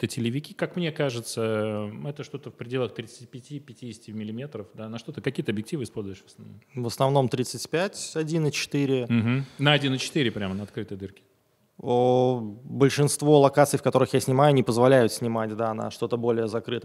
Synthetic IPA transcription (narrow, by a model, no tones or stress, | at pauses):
t̪ətʲɪlʲɪvʲɪkʲikakmnʲekaʐɨt̪səɛt̪əʂt̪o̞t̪əfpɾʲɪdʲe̞lˠəxt̪ɾʲit̪sɨ̥tʲipʲɪtʲipʲɪtʲidʲɪsʲtʲɪmʲɪlʲɪmʲe̞t̪ɾəfd̪anɐʂt̪o̞t̪ɨkɐkʲijət̪əɐbjɪk̚tʲivɨɪspo̞lʲzʊjɪʂvə̥snɐvomvəsnɐvno̞mt̪ɾʲit̪sətʲpʲætʲɐdʲinɨt͡ɕɪ̥t̪ɨɾʲɪm̩ɦm̩nəɐdʲinɨt͡ɕɪ̥t̪ɨɾʲɪpɾʲamənəɐt̪kɾɨt̪əjd̪ɨrkʲɪ̥ | o | bəlʲʂɨnst̪vo̞lˠɐkat̪sɨjfkɐt̪o̞ɾɨxjasʲnʲɪmajʊɐnʲɪpəzvɐlʲæjʊt̪sʲnʲɪmatʲd̪anɐ̰ʂt̪o̞t̪əbo̞lʲɪjəzɐkɾɨt̪ə